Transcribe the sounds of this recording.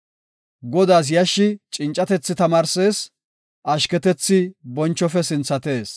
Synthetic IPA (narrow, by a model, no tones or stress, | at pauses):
ɡɔd̪aːs̬jɐʃːɪt͡ʃʼɪnt͡ʃʼːɐt̪ɛt͡sːɪt̪ɐmaːɾseːs | ʔɐʃkɛt̪ɛt͡sːɪbɔnt͡ʃːɔfɛsɪnt͡sːɐt̪e̞ːs